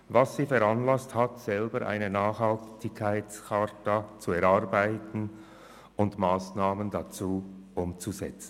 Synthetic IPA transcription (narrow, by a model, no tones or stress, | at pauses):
vassiːfɛɾanlasthatsɛlbəɾʔa̰ɪnənaːχhaltɪkʰːaɪskʰatat͡suɛɾaʁbaɪtn̩ | ʊndmaːsnaːməndat͡suːʔʊmt͡suzɛt͡sn̩